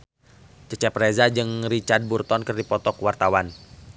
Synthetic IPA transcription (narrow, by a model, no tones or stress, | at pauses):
t͡ʃət͡ʃɛprezad͡ʒɨŋrit͡ʃard̪̚burt̪ɔnkərdipɔt̪ɔkwart̪awan